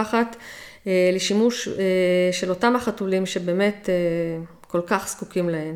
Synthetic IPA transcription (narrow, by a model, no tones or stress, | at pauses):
aχatː | leʃimuʃeʃe̞lo̞tamhaχatulimʃe̞be̞ːme̞te | ko̞lkaχskukimlaem